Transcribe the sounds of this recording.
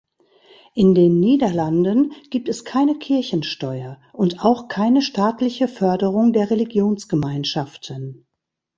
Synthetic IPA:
ʔɪndeːnːiːdɐlandənɡ̥iːp̚tɛskʰaɪnəkʰɪɐçn̩ʃtɔʏɐ | ʔʊntaʊxkʰaɪnəʃtaːtʰlɪçəfœɐdəʁ̞ʊŋdeːɐʁeliɡjoːnsɡ̥əmaɪnʃaftʰən

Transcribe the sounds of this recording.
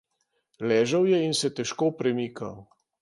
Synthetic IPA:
lɛːʒəwjɛinsɛt̪ɛʃkoːpɾɛmiːkaw

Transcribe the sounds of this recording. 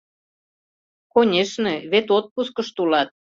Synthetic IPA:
konʲeʃneβet̪ot̪̚puskəʃt̪ulɑt̪̚

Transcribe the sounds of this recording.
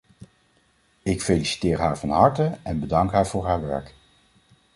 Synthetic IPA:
ɪkfejlisi̥tɪːɹɦaːɹvɑnɦɑɹtəɛnbədɑŋkɦaːɹv̥ʊːɹɦaːɹʋɛ̰ɹk

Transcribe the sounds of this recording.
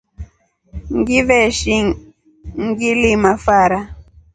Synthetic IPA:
ŋɡivɛʃi | ŋɡilimafaɾa

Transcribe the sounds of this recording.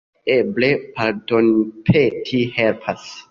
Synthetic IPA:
eblepaɾdonpʰetʰihelpʰas

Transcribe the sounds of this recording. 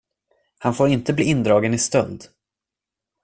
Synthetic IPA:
hanfoːɾɪnt̪əbliːɪnd̪ɾɑːɡənɪst̪œld̪

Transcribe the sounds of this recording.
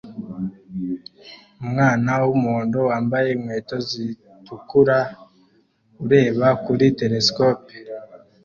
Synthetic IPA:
umŋaːnawumoːndo̞waːmbaje̞imwe̞ːto̞zi | tukuɾa | uɾe̞ːβakuɾite̞ɾe̞skoːpe

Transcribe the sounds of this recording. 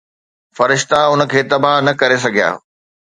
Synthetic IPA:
fɐɾɪʃt̪aʊnə̆kʰeːt̪ɐbʱaɦnɐkɐɾes̬ɐɡʱija̰ː

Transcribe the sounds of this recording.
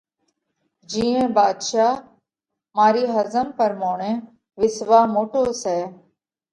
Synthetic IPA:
d͡ʒĩːẽːbaːd̪ʃaː | maːɾiːɦəzəmpəɾmoːɳẽː | ʋɪsʋaːmoːʈoːsɛː

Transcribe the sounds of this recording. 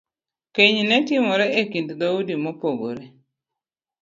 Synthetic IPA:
keɲnɛtɪmɔɾɛekindd̪audimopoɡo̰ɾe

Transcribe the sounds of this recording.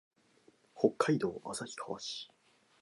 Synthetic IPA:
ho̞kːaid̪o̞̰ːʔa̰saçʲi̥kʰaβaɕi̥

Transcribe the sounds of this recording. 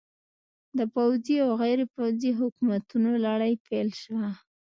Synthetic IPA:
d̪əpawziawɣajɾepawziɦʊkumat̪unolaɽajpʰelʃwa

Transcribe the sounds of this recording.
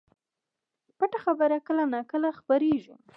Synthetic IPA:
paʈaxabəɾakəlanakəlaxpaɾeʒu

